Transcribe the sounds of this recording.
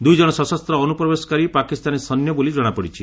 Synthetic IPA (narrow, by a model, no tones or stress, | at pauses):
d̪ujd͡ʒɔɽ̃ɔsɔsɔst̪ɾɔːnupɾɔbesɔ̥kaɾipakist̪anesɔnjɔbolid͡ʒɔɽ̃apɔɽit͡ʃʰi